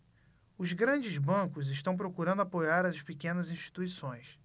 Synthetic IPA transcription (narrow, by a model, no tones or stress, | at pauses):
ʊzɡɾɐ̃d͡ʒɪzbɐ̃kʊzɪʃt̪ɐ̃w̃p̬ɾokuɾɐ̃nd̪ʊapojaɾɐspikẽnɐzĩʃt͡ʃi̥t̪uisõj̃s